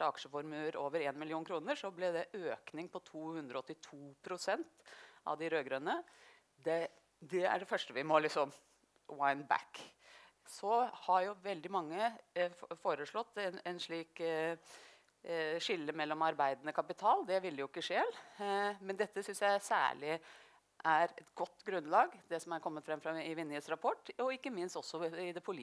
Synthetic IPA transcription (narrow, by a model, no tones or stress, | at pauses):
əɑkʂəfɔɾmʉəɾoːʋəɾeːnmɪlɪuːnkɾuːnəʂɔblɛd̪ɛʔøːknɪŋpʰɔt̪ʰuːhʉnd̪ɾɔɔt̪ːɪt̪ʰuːpʰɾʊsɛnt̪ʔɑ̰ʋd̪ɪɾøːɡɾœnə | d̪ɛ | d̪ɛæ̰ɖɛfœʂʈəʋɪmɔlɪksɔm | waɪnbæ̰k | sɔhɑɾjʊʋɛld̪ɪmɑŋːə | foːɾəʂɭɔt̪ːɛnɛnʂɭiːk | ʂɪlːəmɛlːɔmɑɾbæɪd̪ənəkʰɑpɪt̪ʰɑːld̪ɛʋɪlːəjʊɪkːəʂeːlmɛnd̪ɛt̪ːəsʏnsjæɪsæ̰ːɭɪ | ʔæɾɛt̪ɡɔt̪ːɡɾʉnlɑːɡd̪ɛsɔmæɾkʰɔmːət̪fɾɛmːfɾɑɪʋɪnːəsɾɑpʰɔʈːɔɪkːəmɪnst̪ɔsːɔɪd̪ɛpʰʊli